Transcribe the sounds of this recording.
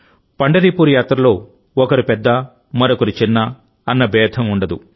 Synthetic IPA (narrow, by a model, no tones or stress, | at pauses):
pɐɳɖɐɾiːpuːɾujaːt̪ɾɐlo̞ː | ɔkɐɾipɛd̪ːɐ | mɐɾokɐɾit͡ʃinːɐː | nːɐbɛːd̪ʰʱɐmuɳɖɐd̪ṵ